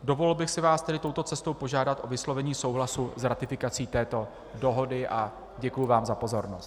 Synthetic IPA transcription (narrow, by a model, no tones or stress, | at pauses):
do̞vo̞lɛlbɪxsɪvaːst̪ɛdɪt̪o̞wt̪o̞t͡sɛst̪o̞wpo̞ʒaːdat̪ʔo̞vɪslo̞vɛɲiːso̞wɦlasuzɾat̪ɪfɪkat͡siːt̪ɛːt̪o̞ | do̞ɦo̞dɪʔa | ɟɛkujʊvaːmzapo̞zo̞ɾnost̪